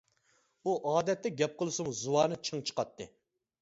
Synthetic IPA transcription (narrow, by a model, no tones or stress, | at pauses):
uʔɑːd̪ɛt̪ːɛɡʲɛp̚qʰəlˠɨsumzuwɑːnɨt͡ʃʰɨŋt͡ʃʰə̥qɑt̪ʰːɨ̰